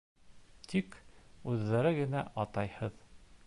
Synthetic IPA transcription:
t̪ʰikʉðːæɾɘɡɘ̆næʔɑt̪ɑjhɤð

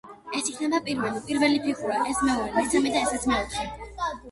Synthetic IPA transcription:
ɛsikʰnɛbapʼiɾvɛlipʼiɾvɛlipʰiχʰuɾaʔɛsmɛuɾɛɡaɾt̪sʰɛmid̪aɛsɛt̪sʰmɛut̪ʰʃi

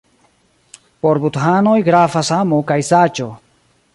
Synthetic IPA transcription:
poɾbutɦano̞jɡɾafashamokajsat͡ʃo

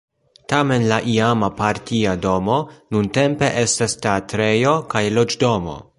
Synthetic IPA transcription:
tame̞nlaʔiamapaɾtiado̞mo̞nunte̞mpe̞ʔe̞stasteatɾe̞jo̞kajlo̞d͡ʒdo̞mo̞̰

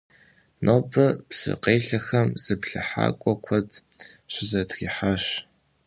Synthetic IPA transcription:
nʔobɐbz̥ɨ̰qeːɬɐxɐmz̥ɨpɬɨ̰ħa̰ːkʷʼɔkʷʰɔtʰ | ɕʷɪzɐtxiːħaɕ

